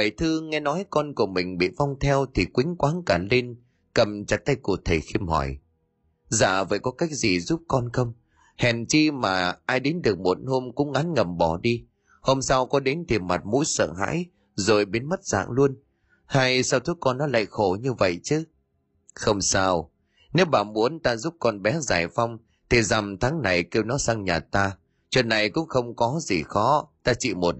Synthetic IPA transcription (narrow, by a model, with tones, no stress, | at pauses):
və˧˨jt̪ʰɨ˧ŋɛ˧nɔ˨˦jkɔ˧nku˧˩əmï˨˩ŋ̟ɓḭ˧˨va˧wŋ͡mt̪ʰɛ˧wt̪ʰi˨˩kwï˨˦ŋ̟kwaː˨˦nkaː˧˩nle˧n | kə˨˩mt͡ɕa˨˩t̪a˧jku˨˧˩ət̪ʰe˨˩xi˧mhɔ̰˧˩j | za̰ː˧˩və̰ː˧˨jkɔ˨˦ka˦˥jk̚zi˨˩zu˦˥p̚kɔ˧nxə˧wŋ͡m | hɛ˨˩nt͡ɕi˧maː˨˩ʔaː˧jɗe˨˦nɗɨ˨˩ək̚mo˨˩t̚ho˧mkʊ̰˧˥ŋ͡mʔa˨˦nŋə˨˩mɓɔ˧˨˩ɗi˧ | ho˧msa˧wkɔ˨˦ɗe˨˦nt̪ʰi˨˩ma˨˩t̚mṵ˧˥jsə̰ː˧˨ɦa̰ː˧˥j | zo˨˩jɓe˨˦nmə˦˥t̚z̥a̰ː˧˨ŋlu˧ən | haː˧jsa˧wt̪ʰu˦˥t̚kːɔ˧nːɔ˨˦la̰ː˧˨jxo˧˩ɲɨ˧və̰˧˨jt͡ɕɨ˨˦ | xə˧wŋ͡msaː˧w | ne˨˦wɓaː˧˩mu˨˦ənt̪aː˧zu˦˥p̚kɔ˧nɓɛ˨˦za̰ː˨˩jfa˧wŋ͡m | t̪ʰi˨˩za˨˩mt̪ʰaː˨˦ŋna˨˩jke˧wnɔ˨˦sa˧ŋɲaː˨˩t̪aː˧ | t͡ɕwə̰˧˨nːa˨˩jkʊ̰˧˥ŋ͡mxə˧wŋ͡mkɔ˨˦zi˨˩xɔ˨˦t̪aː˧t͡ɕḭ˧˨mo˨˩t̚